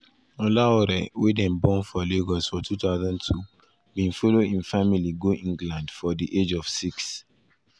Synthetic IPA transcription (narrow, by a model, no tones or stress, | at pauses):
ɔlaɔɾɛwedɛ̃nbɔ̃nfɔleɡɔsfɔtʰutaʊzãntʰu | bĩnfɔloĩnfamiliɡoʔĩŋɡlãndfɔdiʔed͡ʒɔv̥siks